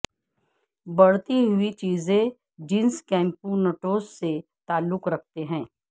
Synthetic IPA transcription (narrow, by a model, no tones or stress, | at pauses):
bɐɽ̤t̪iɦʊit͡ʃiːzẽ | d͡ʒɪnskɛ̃ːmpunəʈoːsːet̪aːlːʊkɾɐk̚ʰt̪eɦɛ̃ː